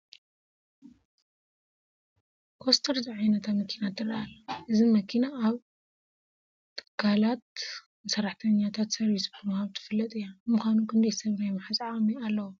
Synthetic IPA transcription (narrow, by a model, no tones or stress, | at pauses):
kʰost̪ʰɐɾziʕajnɐt̪ʰamɐkʰinat̪ʰɨrɐalːɐʔɨzimɐkʰinaʔːβ | t̪ʰɨ̥kʰːalat̪̚ | ɨsɐɾaħt̪ʰɐɲːat̪ʰat̪sɐɾisbɨmɨhaβt̪ʰɨ̥fɨlːɐt̪ʼɨjːamɨxanukʰɨnd̪ɐjsɐβɾajmħasʼʕamialːɐwo